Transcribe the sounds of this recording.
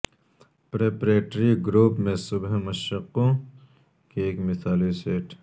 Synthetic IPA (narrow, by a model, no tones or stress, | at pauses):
pɾeːpɾeːʈɾiɡɾuːpmẽsʊbɦmɐʃɐqːõ | keeːkmɪt̪ʰaːliseːʈ